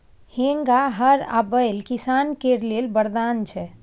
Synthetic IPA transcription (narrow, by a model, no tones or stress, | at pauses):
hẽŋɡaɦəɾa̰bəjlkisankeɾlelbəɾd̪ant͡ʃʰɛ